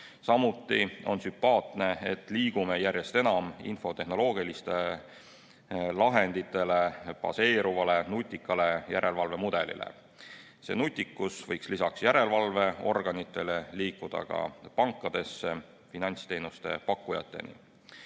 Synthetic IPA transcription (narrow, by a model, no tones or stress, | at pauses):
sɑmut̪ːˑio̞̰nsympɑːt̪ne̞et̪ːˑliːɡ̥ume̞jærje̞st̪e̞nɑmḭnfo̞t̪e̞hno̞lo̞ːɡ̥ilist̪e̞ | lɑɦe̞nd̪̥it̪ːˑe̞le̞pɑ̰se̞ːɾuvɑle̞nut̪ʲːˑikːɑle̞jæ̰ɾʔe̞lvɑlve̞mud̪̥e̞lḭlḛ | se̞̰ːnut̪ʲːˑikːusvɤjkslisɑksjæɾe̞lvɑlve̞o̞̰rɡ̥ɑnit̪ːˑe̞leliːkːud̪̥ɑ̰kɑ̰pɑŋkːˑɑd̪̥e̞sːe | finɑnʲst̪e̞ːnust̪e̞̰pɑkˑːujɑ̰t̪ːˑe̞̰nḭ